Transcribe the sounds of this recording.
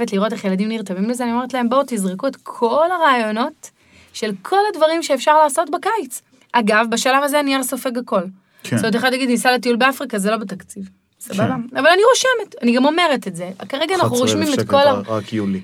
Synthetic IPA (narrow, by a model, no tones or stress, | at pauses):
vetliʁo̞te̞χje̞ladimniʁtavimlezeani̞met̪lae̞mbowtizʁekuetkʰo̞laʁaːjo̞no̞t | ʃe̞lkʰo̞ladvaʁimʃe̞ːfʃaʁlaːso̞tbakajt͡s | ʔaɡavbaʃalavazeaniaʁso̞feɡako̞l | ksoteχad̪laɡid̪nisaletiulbeafʁikazelo̞betakt͡siv | sababaavalaniʁoʃemetaniɡamo̞me̞ʁetetzekaʁeɡanaχnuʁoʃmimekolakiuli